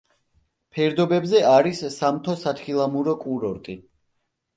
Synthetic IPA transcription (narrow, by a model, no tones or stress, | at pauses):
pʰɛɾd̪ɔbɛbzɛʔaɾissamt̪ʰɔsat̪ʰχilˠamuɾɔkʼuɾɔɾt̪ʼi